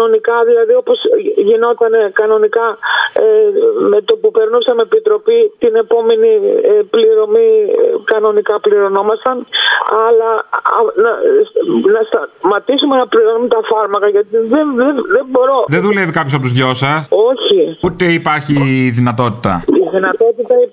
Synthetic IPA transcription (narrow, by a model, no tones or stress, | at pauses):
ɐno̞nikɐðilɐðio̞po̞sʝino̞t̪ɐne̞kɐno̞nikɐ | met̪opupeɾnosɐmepit̪ɾo̞pit̪ine̞po̞me̞niepliɾo̞mikɐno̞nikɐpliɾo̞no̞mɐst̪ɐnɐlɐɐnɐsnɐst̪ɐmɐt̪isumenɐpliɾomit̪ɐfɐɾmɐkɐʝɐt̪iðenðeðembo̞ɾo̞ðeðulevikɐpços̬ɐpot̪zʝo̞sɐso̞çiut̪eipaɾçiðinɐt̪o̞t̪it̪ɐ̰iðinɐt̪o̞t̪it̪ɐi